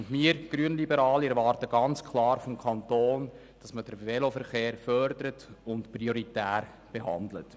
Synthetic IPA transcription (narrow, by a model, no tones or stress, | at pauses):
nmiːəɾɡ̥ɾyənlibəɾɑːliɛɾʋɑːɾtəɡ̥ɑnt͡skʰlɑːɾfɔmkʰɑntoːn | d̥ɑsməd̥əɾvelofəɾχeːɾfœɾdəɾətʊntprioɾitæːɾ | b̥eɦɑ̰ndlə̰t